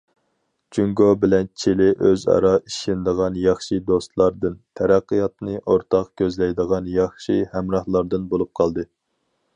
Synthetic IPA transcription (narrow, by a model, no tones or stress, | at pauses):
t͡ʃʰyŋɡobɪlɛnt͡ʃʰelɪʔøzɑ̰ɾɑʔiʃɪnd̪əʁɑnjɑχʃɨd̪ost̪lˠɑɾd̪ɨnt̪ʰɛɾæqːijɑt̪nɨʔoɾt̪ʰɑqkʲøzlɛjd̪əʁɑnjɑχʃihæmɾɑhlˠɑɾd̪ɨnbolˠup̚qʰɑlˠd̪ɨ